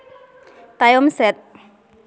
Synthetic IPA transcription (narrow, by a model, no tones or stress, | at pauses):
t̪ajɔmsɛt̪̚